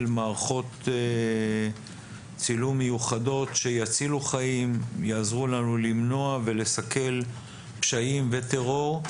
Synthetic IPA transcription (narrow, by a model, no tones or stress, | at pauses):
lmaːʁaχo̞t̪ | t͡silumːejuχado̞t̪ʃe̞jat͡siluχaimjaːzʁulanulimno̞ave̞le̞sake̞l | pʃaimve̞t̪e̞ʁo̞ʁ